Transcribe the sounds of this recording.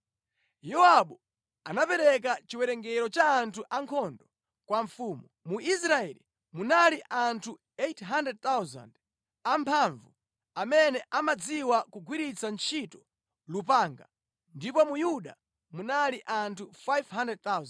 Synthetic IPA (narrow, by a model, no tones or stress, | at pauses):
jɔaɓɔ | anapɛɾɛk̬at͡ʃiwɛɾɛŋɡɛɾɔt͡ʃaːntʰuʔaŋkʰɔndɔ | kwaɱfuːmumuʔis̬ɾaɛlḭ | munaliʔantʰu | etɦandɾɛd̚t̪awza̰nd | ampʰaɱvu | amɛnɛʔamad͡ziwakuɡʱwiɾit͡sant͡ʃʰitɔ̥ | lupaːŋɡa̰ | ndipɔmujuɗa̰ | munaliʔantʰufajvɦandɛd̚t̪awz